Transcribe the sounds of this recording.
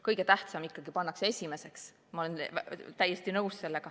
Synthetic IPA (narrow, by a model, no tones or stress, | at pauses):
kɤjɡ̥e̞t̪æht̪sɑmikːɑɡ̥ipɑnːɑksee̞sʲime̞se̞ks | mɑo̞lent̪æjːest̪inɤwsːe̞lːeɡ̥ɑ